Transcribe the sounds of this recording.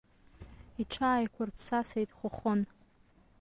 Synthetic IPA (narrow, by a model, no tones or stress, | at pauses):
iʈ͡ʂʰaːjkʷʰʊrpʰsasejtʼχʷʊχon